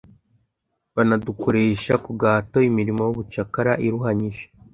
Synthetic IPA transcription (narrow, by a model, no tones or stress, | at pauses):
βanadukʰo̞ɾe̞ːʃakuɡaːto̞imiɾimojuβut͡ʃakaɾaʔiɾuɦaɲiʒe̥